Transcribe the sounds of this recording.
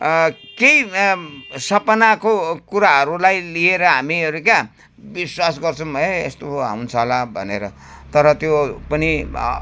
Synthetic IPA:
kej | sʌpʌnakokuɾaɦʌɾulajlieɾʌɦamiʌɾuka | biswasɡʌrt͡sʰʌmbʱʌeest̪oɦa̰wnt͡sʰʌlabʱʌ̰neɾʌ | t̪ʌɾʌt̪jopʌni

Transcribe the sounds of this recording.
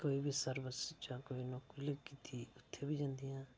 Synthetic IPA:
koːiːbiːsəɾbəst͡ʃãːkoːiːnõːkʊləkiːt̪ʰiːʊt̪ʰːeːbiːd͡ʒãːnd̪iːjãː

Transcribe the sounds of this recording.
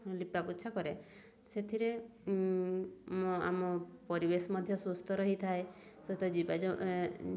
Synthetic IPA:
lipapuʃʰakɔɾe | set̪ʰiɾe | a̰mɔpɔɾibesɔmɔd̪ʱjɔsust̪ʰɔɾɔɦit̪ʰae | sɔt̪ɔd͡ʒibad͡ʒɔ

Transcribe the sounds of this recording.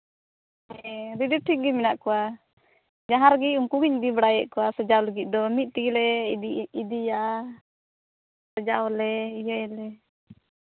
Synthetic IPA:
ɛɾidiʈʰiɡiminaʔkɔwa | d͡ʒaɦaɾɡiuŋkuɡiɲd̪ibəɽajɛʔkɔwasəd͡ʒawləɡit̪̚ˀd̪ɔmit̪̚ˀt̪iɡilɛiid̪ija | səd͡ʒawlɛijəɛlɛ

